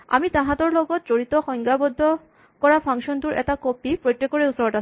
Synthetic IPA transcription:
a̰mitãɦãtɔɹlɔɡɔt̚zoɹitɔxɔjŋɡabɔdʱːɔ | kɔɹapʰaŋsɔntʊɹʔɛ̰takopipɹojtːekːɔɹeusɔɹɔtas

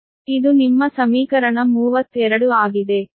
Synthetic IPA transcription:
id̪unimːɐsɐmiːkɐɾɐɳɐmuːʋɐt̪ːuɛɾɐɽuaːɡid̪e̞

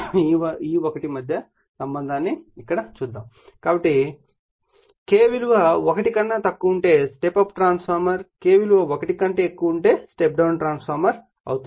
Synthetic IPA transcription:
iiːokɐʈimɐd̪ʱjɐ | sɐmbɐnd̪ʱaːnːiːkːɐɽɐt͡ʃuːd̪ːaːm | kaːbɐʈːi | keːʋiluʋɐokɐʈikɐnːɐt̪ɐkːuuɳʈe̞ːsʈepɐpʈɾaːnspʰaːɾmɐɾke̞ːʋiluʋɐokɐʈikɐɳʈeːkːuuɳʈe̞ːsʈep̚ɖɐwunʈɾaːnspʰaːɾmɐɾ | ɐ̰wut̪u

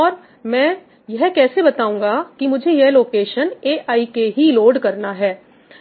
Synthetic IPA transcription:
ɔːɾ | mɛ̃ː | jɛɦkɛːsebɐt̪aːũːŋɡakimʊd͡ʒʱejeɦloːkeːʃəneːʔaːikeɦiloːɖkɐɾnaɦɛː

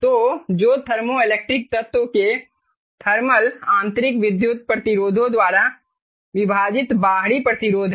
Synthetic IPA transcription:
t̪oːd͡ʒoːt̪ʰɐɾmoɪleːk̚ʈɾɪk̚t̪ɐt̪woke | t̪ʰɐɾməlãːnt̪ɾɪkʋɪd̪jʊt̪̚pɾəɐt̪ɪɾoːd̪ʱõd̪waːɾa | ʋɪbʱaːd͡ʒɪt̪baːɦɽipɾɐt̪ɪɾoːd̪ʱ

